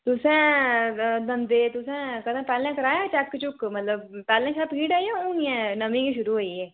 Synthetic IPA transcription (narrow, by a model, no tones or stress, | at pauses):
t̪ʊsẽː | d̪ə̃nd̪eːt̪ʊsẽːkəd̪ãpɛːlẽkəɾaːjat͡ʃɛːkkt͡ʃʊkmət̪ləb̚pɛːlẽːʃapɡiːʈaːiõũiɛ̃nəmĩkiʃʊɾuɦoːieː